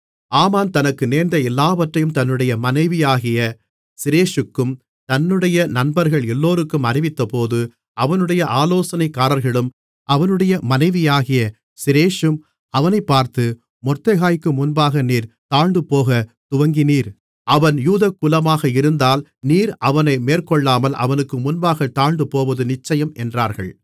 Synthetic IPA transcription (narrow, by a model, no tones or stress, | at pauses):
aːmaːnt̪ɐnɐkːɯneːɾnd̪ɐɛlːaːʋɐʈrɐjɯmt̪ɐnːɯɽɐjɐmɐnɐɪʋɪjaːɣɪjɐ | sɪɾeːʂɯkːɯm | t̪ɐnːɯɽɐjɐnɐnbɐɾɣɐɭɛlːoːɾɯkːɯmɐɾɪʋɪt̪ːɐpoːðɯ | ʔɐʋɐnɯɽɐjɐʔaːloːsɐnɐɪkːaːɾɐɾɣɐɭɯm | ʔɐʋɐnɯɽɐjɐmɐnɐɪʋɪjaːɣɪjɐ | sɪɾeːʂɯm | ɐʋɐnɐɪpːaːɾt̪ɯ | mɔrt̪ɐɣaːjkːɯmʊnbaːɣɐniːɾt̪aːɳɖ̪ɯpoːɣɐt̪ʊʋɐŋɡɪniːɾ | ʔɐʋɐnjuːðɐkːʊlɐmaːɣɐɪɾɯnd̪aːlniːɾʔɐʋɐnɐɪmeːrkɔɭːaːmɐlʔɐ̰ʋɐnɯkːɯmʊnbaːɣɐt̪aːɳɖ̪ɯpoːʋɐðɯnɪt͡ʃːɐjɐmɛndraːɾɣɐ̰ɭ